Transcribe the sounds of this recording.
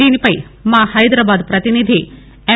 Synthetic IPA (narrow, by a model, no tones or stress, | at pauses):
iːnipɐimãːhɐjd̪ɾaːbaːd̪pɾɐt̪inid̪ʱi | e